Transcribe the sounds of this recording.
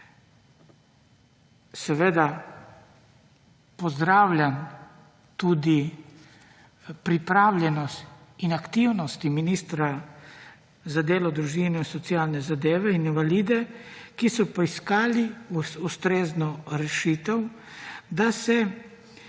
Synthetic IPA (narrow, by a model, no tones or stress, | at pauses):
sɛʋeːd̪a | pɔzd̪ɾaːwlʲjan | t̪uːd̪i | pɾipɾaːwlʲjɛnɔst̪inakt̪iwnɔst̪iminiːst̪ɾa | zad̪eːlɔd̪ɾuʒinɛinsɔt̪siaːlnɛzad̪eːʋɛininʋaliːd̪ɛkisɔpɔiskaːliust̪ɾeːznɔɾɛʃiːt̪ɛw | d̪asɛ